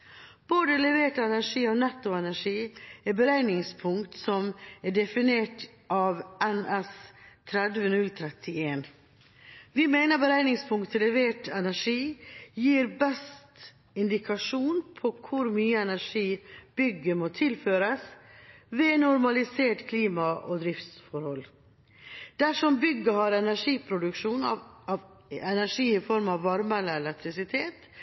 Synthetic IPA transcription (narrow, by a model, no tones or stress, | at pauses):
b̥oːd̪əlɛʋeːʈɛnæʂiːɔnɛt̪ːʊɛnæʂiːɛbəɾæɪnɪŋspʰʊŋkt̪sɔmɛɖɛfɪneːʈ | ʔɑːʋɛnɛst̪ʰɾɛd̪ʋənʉlt̪ʰɾɛt̪ʰːɪeːn | ʋɪmæɪnəɾbəɾæɪnɪŋspʰʊŋkt̪ʰɛlɛʋeːʈɛnæʂiːjiːɾbɛst̪ | ɪnd̪ɪkʰɑʂuːnpʰɔkʰʊɾmyːəɛnæʂiːb̥ʏɡəmɔt̪ʰɪlføːɾəsʋɛnʊɾmɑlɪseːʈkʰliːmɑʔɔd̪ɾɪft̪sfɔɾhɔl | d̪̥æʂɔmbʏɡəhɑɾɛnæʂiːpʰɾʊd̪ʉkʂuːnɑ | ɛnæʂiːɪfɔɾmɑʋːɑɾmələɛlɛk̚t̪ʰɾɪsɪt̪ʰeːt̪